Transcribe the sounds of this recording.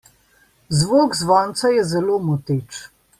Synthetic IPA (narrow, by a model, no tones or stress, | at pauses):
zʋoːɡzʋɔːnt̪sajɛzɛloːmɔt̪eːt͡ʃ